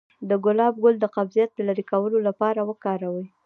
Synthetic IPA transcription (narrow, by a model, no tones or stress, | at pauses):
d̪əɡʊlɑb̚ɡʊld̪əqabzijat̪̚d̪əlaɾikawəlolapɑɾawəkɑɾawi